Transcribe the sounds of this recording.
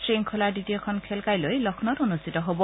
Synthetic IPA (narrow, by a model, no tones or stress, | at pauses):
tɹiŋkʰɔlaɹditiɔkʰɔnkʰɛlkajlojlɔkʰnɔtonustitɔɦobɔ